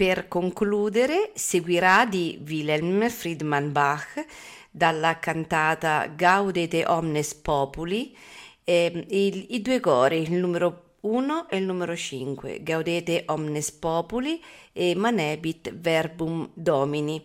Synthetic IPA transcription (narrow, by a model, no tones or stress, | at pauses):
peɾkoŋkluːd̪eɾeseɡwiɾad̪ivilɛlmfɾid̪manbax | d̪alːakant̪aːt̪a̰ɡawd̪et̪eʔɔmnespɔːpuli | id̪uːekɔːɾilnumeɾo | uːnoʔelnuːmeɾot͡ʃiŋkwḛɡawd̪eːt̪eʔɔmnespɔːpuliemanɛːbit̪vɛɾbumd̪ɔːmini